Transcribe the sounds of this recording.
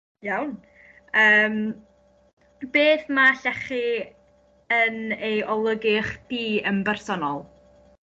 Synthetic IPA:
jawn | əːm | beːθmaɬɛχi | ənejɔlˠəɡɪχd̥iːəmbɛrsɔnɔlˠ

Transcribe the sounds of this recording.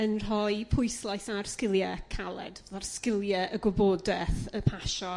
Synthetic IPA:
ənr̥ɔjpʰʊjslˠajθarskɪlˠjɛkʰalˠɛ̰dɛðarskɪlˠjɛʔəɡɔbɔdɛθəpʰaʃɔ

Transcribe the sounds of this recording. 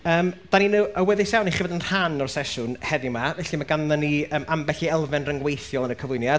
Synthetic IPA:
əːmd̥aninuːəwɛðesawniχɪvɔdənr̥anɔr̥sɛʃʊnhɛdɪmavɛɬimaɡanðəniəːmʔambɛɬiɛlˠvɛnrəŋɡwejθjɔlˠənəkʰəvlʊjnjad̥

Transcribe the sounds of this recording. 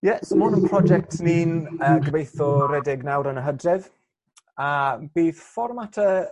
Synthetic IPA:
jɛsomʊnənpʰrɔd͡ʒɛk̚tʰniːnəːɡəvejθɔɾɛdɪɡnawɾənəɦədrɪð | ab̥iːðfɔrmatʰə

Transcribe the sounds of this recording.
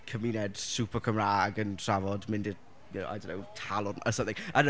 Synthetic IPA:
kʰəmiːnɛd̥supʰəkʰəmɾaɡəntʰravɔdmɪ̃ndi | jnoa̰jdonːoʊtʰalˠʊnə̰sə̃mθɪ̃ŋə̃n

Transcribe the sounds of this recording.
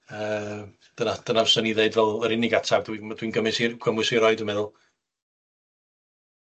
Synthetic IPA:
əː | d̥ənad̥ənavsɔniðeɨdvɛlˠəɾɪnɪɡatʰawdwimad̥winɡəmɨsiɡ̥ʰəmwɨsiɾɔɨdəmɛðʊlˠ

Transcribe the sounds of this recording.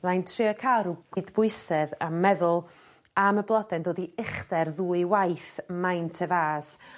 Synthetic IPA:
lˠajntʰrɪɔkʰaɾuɡ̥wɨdbʊɨsɛðamːɛðʊlˠ | aməblˠɔdɛndoːdiɪχdɛrðuːɨwajθmajntʰɛvaːs

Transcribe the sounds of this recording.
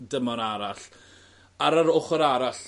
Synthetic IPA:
dəmɔɾaɾaɬ | aɾəɾʊχəɾaɾaɬ

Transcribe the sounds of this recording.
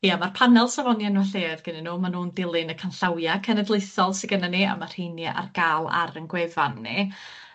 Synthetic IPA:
hiːamarpʰanɛlˠsavɔnjanwaɬeːrɡ̥ənɪnuːmanuːndɪlˠɪnəkʰanɬawjakʰənɛdlˠejsɔlˠsɪɡənania̰mar̥hejnaʔa̰rɡ̥aːlˠa̰ɾənɡwɛvanːi

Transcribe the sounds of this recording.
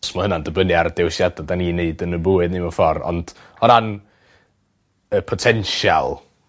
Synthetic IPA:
smɔhənandəbənɨardɛwsjadadanineɨdənəbʊɨdnimɔfɔrɔ̰nd̥ | ɔɾan | əpʰɔtʰɛnʃa̰lˠ

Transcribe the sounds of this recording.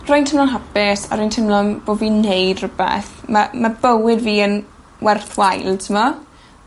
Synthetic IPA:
rojntʰɪmlɔnɦapɪsa̰ɾojntʰɪmlɔnb̥oːdviːnejdrʊbɛ̰θmamabəwɪdviːən | wɛrθwajlˠtʰəmɔ

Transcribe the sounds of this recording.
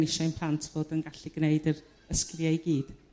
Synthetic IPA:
nɪʃɔɨnpʰl̥ˠantʰv̥oːdənɡaɬiɡneɨdər | əskljajɡiːd̥

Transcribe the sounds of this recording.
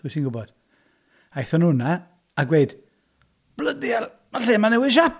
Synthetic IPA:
ðuːsinɡʊbɔd̥ | ajθɔnhʊna | aɡweɨd̥ | b̥lədial | maɬeːmanɛwɪʃ̬a

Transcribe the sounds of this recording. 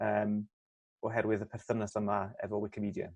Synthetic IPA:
əːm | ɔɦɛɾwɨðəpʰɛr̥θənəsəmaɛ̰vɔwɪkʰɪmidja̰

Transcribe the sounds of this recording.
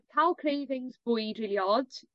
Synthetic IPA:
kʰalˠkʰreːvɪ̃ŋzbʊjdɹiːliɔd̥

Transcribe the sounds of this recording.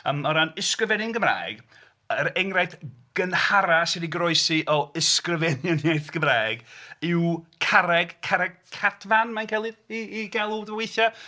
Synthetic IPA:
əmɔɾanɪskrəvɛnɪnɡəmra̰ːjɡ̥ | əɾɛŋrajθɡ̥ənhaɾasɪdiɡrɔɨsiʔɔɪskrəvɛnjənjajθɡ̥əmraːjɡɪwkʰaɾɛɡkʰaɾɛɡ̥̚kʰatʰvanmajnkʰɛlˠɨðiːɡɛlˠudəweθja

